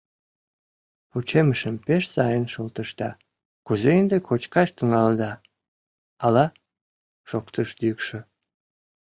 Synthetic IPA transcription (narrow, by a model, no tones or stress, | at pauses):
put͡ɕeməʃəmpeʃsɑjənʃolt̪əʃt̪ɑ | kuzeənd̪ekʰot͡ɕkɑʃt̪iŋɑld̪ɑ | ɑlɑ | ʃokt̪əʃd̪ykʃə